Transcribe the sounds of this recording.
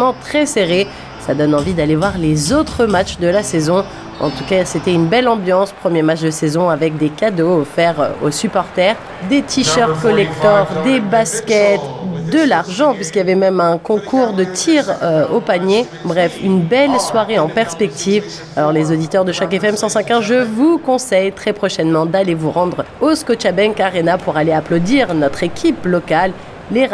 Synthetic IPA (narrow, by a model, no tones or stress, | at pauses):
mɑ̃t̪χɛseʁe | sad̪ɔnɑ̃vid̪alevwaʁlezot̪χəmat͡ʃd̪əlasɛzɔ̃ | ɑ̰̃t̪ukaset̪ɛynbɛlɑ̃bjɑ̃spχəmjematt͡ʃd̪əsɛzɔ̃avɛk̚d̪ekad̪ofɛʁo̰sypɔʁt̪ɛːʁ | d̪et̪ʰiʃœʁt̪̚kɔlɛkt̪ɔʁd̪ebaskʲɛt̪d̪əlaʁʒɑ̃pɥiskiljavɛmɛmɛ̃kɔ̃kʰuʁd̪ət̪ʰiʁopanje | bʁɛfynbɛlswaʁeɑ̃pɛʁspɛk̚t̪ʰiv | alɔʁlezod̪it̪œʁd̪əʃakɛfɛmsɑ̃sɛ̃kɛ̃ʒəvukɔ̃sɛjt̪χɛpχɔʃɛnmɑ̃d̪alevuʁɑ̃d̪ʁoskɔt͡ʃabɛnkaʁenapuʁaleaplod̪iʁnɔt̪χekʲʰiplɔkalː | e